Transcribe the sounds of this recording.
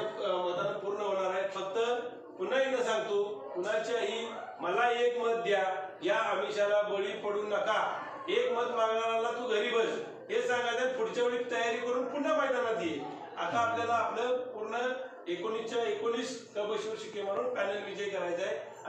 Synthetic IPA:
məd̪ənpuɾɳəɦoɽ̃aɾaefək̚t̪ə | pun̤əɦinəsãŋɡt̪upunat͡ɕaɦi | məlaekməd̪ːjajaəmiɕalabəɭiːpəɽuːnəka | ekməd̪mãŋɡɳaɾalat̪uɡəɾiːbəd͡z | ɦesãŋɡajd͡zajpʰuɽt͡ɕaʋəɭit̪əjaɾikəɾuːnpuɽːəpajd̪amad̪ʱije | a̰t̪aːpnalaːpnəpuɾɳə | ekonit͡ɕaekoniːskəbəɕuɾɕikem̤əɽuːnpænəlʋid͡ʑəjkəɾajd͡zaj | a

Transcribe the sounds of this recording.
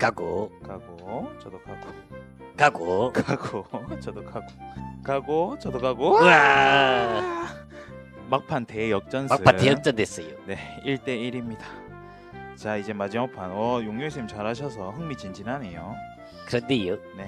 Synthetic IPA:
kaɡokaɡot͡ɕʌdokaɡ̥o | kaɡokaɡot͡ɕʌdokʰaɡokaɡot͡ɕʌdokaɡoa | mak̚pʰante̞jʌk̚t͡ɕ͈ʌnmakʰɯatejʌk̚t͡ɕ͈ʌndwes͈ʌjo̰ne̞iɭt͈e̞iɾimɲida | t͡ɕaid͡ʑe̞mad͡ʑimapʰanʌjoŋjoŋɕ̬ʰimt͡ɕaɾɦaɕ̬ʰʌs̬ʰʌɦɯŋmit͡ɕind͡ʑinɦanejo | kɯɾʌndejone

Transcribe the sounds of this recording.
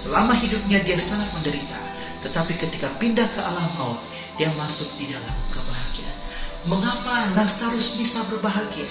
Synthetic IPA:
səlamaɦidʊp̚ɲadiasaŋat̪̚məndəɾit̪a̰ | t̪ət̪apikət̪ikapindahkəʔalamaun | diamasʊk̚didalamkəbaɦaɡia̰nməŋapanasaɾʊsmisabərbaɦaɡia

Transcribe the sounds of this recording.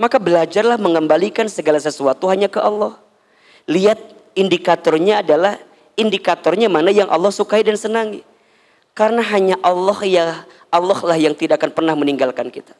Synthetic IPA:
makabəlad͡ʒarlahməŋəmbalikansəɡalas̬əsuat̪uɦaɲakəʔɑlːɔh | liat̪̚ | indikat̪ɔrɲaːdalah | indikat̪ɔrɲamanajaŋʔɑ̰lːɔhsukaidansənaŋi | kaɾənaɦaɲaʔɑlːɔhjah | ʔɑlːɔhlahjaŋt̪idaʔkanpərnahməniŋɡalkankit̪ḁ

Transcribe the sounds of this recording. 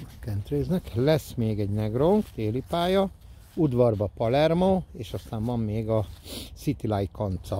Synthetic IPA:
kɛnt̪reːznɛklɛsmeːɡɛɟnɛɡroŋkt̪eːlipaːjɒ | ud̪ʋɒrbɒpɒlɛrmoːeːʃɒst̪aːɱvɒmːeːɡɒsit̪ilɒjkɒnt̪sɒ

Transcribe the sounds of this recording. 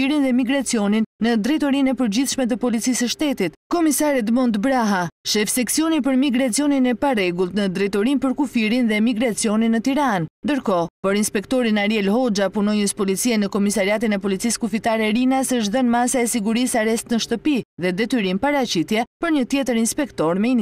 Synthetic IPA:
iɾinðɛmiɡɾat͡siɔninːəd̪ɾɛjt̪ɔɾinɛpəɾd͡ʑiθʃmɛt̪̬əpɔlit͡sisəʃt̪ɛt̪it̪kɔmisaɾɛd̪mɔnd̪bɾaɦaʃɛfsɛksiɔnip̬əɾmiɡɾat͡siɔninɛparɛɡulˠt̪nəd̪ɾɛjt̪ɔɾinpəɾkufiɾinðɛmiɡɾat͡siɔninːət̪iɾannd̪əɾkɔpɔɾinspɛkt̪ɔɾinaɾjɛlhɔd͡ʒapunɔjəspɔlit͡siɛnəkɔmisaɾiat̪̬inɛpɔlit͡siskufit̪aɾɛɾinasəʃt̪ðənmasaɛsiɡuɾisaɾɛst̪nəʃt̪əpiðɛd̪ɛt̪yɾinpaɾat͡ɕit̪jɛpəɾɲət̪jɛt̪əɾinspɛkt̪ɔɾmɛin

